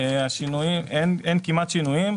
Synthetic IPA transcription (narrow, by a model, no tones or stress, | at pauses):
eaʃinuimenenkimat̪ʃinuim